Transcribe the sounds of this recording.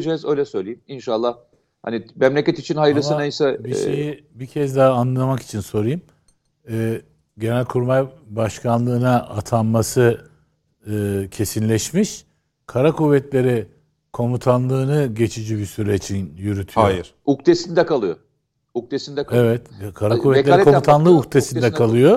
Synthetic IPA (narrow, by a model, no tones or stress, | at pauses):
d͡ʒɛːzø̞jlʲɛsø̞jlʲejiminʃalˠːah | ha̰nimɛmlʲecɛt̪it͡ʃʰinhajɯɾlɯsɯnajsabiʃejibicʰɛzd̪aɦaːnlːˠamaki̥t͡ʃʰinso̞ɾɯjɯm | ɛː | ɟe̞nælʲkʰuɾmajbaʃkʰanlˠɯːnaʔat̪ʰanmasɯ | ɯːcʰe̞sinlʲɛʃmiʃ | kʰaɾakuːvɛt̪lʲe̞ɾɛ | kʰo̞mut̪ʰanlˠɯːnɯɟe̞t͡ʃʰid͡ʒibisyɾeit͡ʃʰinjyɾyt̪ʰyajiɾ̥ | uk̚t̪ʰesind̪ɛkalˠɯjo̰ | uk̚t̪ʰesind̪ɛevɛt̪kʰaɾakʰuvɛtlʲekʰomt̪ʰanlˠɯukt̪ʰesind̪ɛkʰalˠɯjo